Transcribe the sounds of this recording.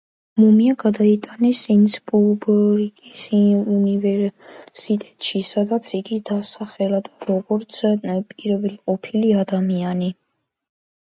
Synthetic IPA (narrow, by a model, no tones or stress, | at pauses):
mumiaɡad̪ait̪ʼanɛsint̪sʰi̥pʼulˠbɔɾikʼisunivɛɾsit̪ʼɛt̪ʼʃisad̪at̪sʰiɡid̪asaχɛlad̪aɾɔɡɔɾt̪sʰpʼiɾɛvɛlqʼɔpʰiliad̪amiani